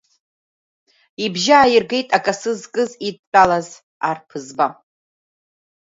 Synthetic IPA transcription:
ibʒaːjirɡe̞jtʼakʼasɨzkʼɨzit̚ʼpʼalaz | arpʰɨzba

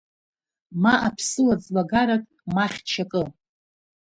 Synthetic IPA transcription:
maʔapʰsɨwat͡sʼlaɡaɾakʼ | maχʲt͡ʃʰakʼɨ

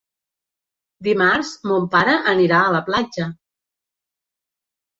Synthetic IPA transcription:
d̪imarzmompaɾəʔəniɾaəːləplad͡ʒə

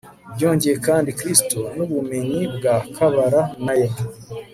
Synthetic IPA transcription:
bɟo̞ːɲɟe̞jekaːndikɾistunuβume̞ɲibɡakʰaβaɾanajena

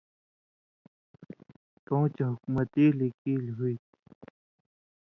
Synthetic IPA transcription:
t̪õːt͡ɕɦʊkmɐt̪iːlikiːlɦuit̪

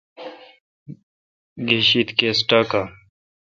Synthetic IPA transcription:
ɡʱeɕit̪keːsʈaːka

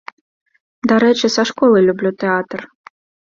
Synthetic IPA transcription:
d̪aɾɛt͡ʃɛsɐʃkɔlˠɨjlʲublʲut̪ɛat̪r

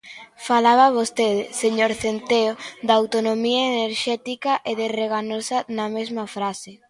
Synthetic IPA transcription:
falaβ̞aβ̞ost̪eðɪseɲoɾθent̪eod̪ɐaːwt̪onomiɐeneɾʃɛt̪ikɐʔeðereɣanosɐnɐmezmɐfɾase

